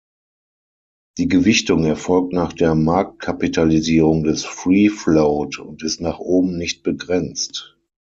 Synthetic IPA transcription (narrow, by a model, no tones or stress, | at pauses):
d̥iːɡəvɪçtʊŋɛɐfɔlk̚tnaːχd̥eːɐmaɐk̚t̚kʰapitʰaliziːʁʊŋdɛsfʁiːfloːtʊ̰ntɪstnaːχʔoːbm̩nɪçt̚b̥əɡʁɛnt͡st